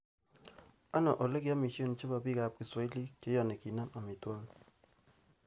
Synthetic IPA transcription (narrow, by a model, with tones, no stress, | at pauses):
a˦nɔ˨ʔo˨le˦ki˦a˦mi˨ʃi˦o˦n˨˦t͡ʃe˦ba˨bi˦ka˨p̚ki˨sa˨˦i˦li˦ke˨˦jɔ˨ne˨ki˨na˦ma˨mi˨tɔ˦l